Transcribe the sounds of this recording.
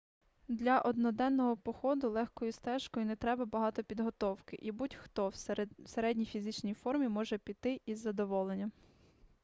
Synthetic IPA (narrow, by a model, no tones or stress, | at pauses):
d̪lʲɐʔɔd̪nɔd̪ɛnːɔɦɔpɔxɔd̪ʊlˠɛxkɔjʊst̪ɛʃkɔjʊnɛt̪ɾɛbɐbɐɦɑt̪ɔpʲid̪ɦɔt̪ɔwkɪ̰ʔibutʲxt̪ɔwseɾɛdʲnʲijfʲizɪt͡ʃnʲijfɔrmʲimɔʒɛpʲit̪ɪʔizːɐd̪ɔʋɔlˠenʲːɐ